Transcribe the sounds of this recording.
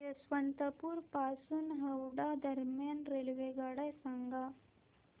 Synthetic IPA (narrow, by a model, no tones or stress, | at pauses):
esʋənt̪əpuːɾpasuːnɦəwɽad̪əɾmjanɾelʋeɡaɽajsaŋɡa